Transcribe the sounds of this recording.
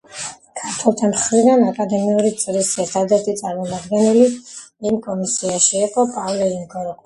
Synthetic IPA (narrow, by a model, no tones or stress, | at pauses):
kʰaɾt̪ʰwɛlˠt̪ʰamχɾid̪anakʼad̪ɛmiuɾit̪sʼɾisɛɾt̪ʰad̪ɛɾt̪ʰit̪sʼaɾmɔmad̪ɡɛnili | imkʼɔmisiaʃiɛχʼɔpʼavlɛiŋɡɔɾ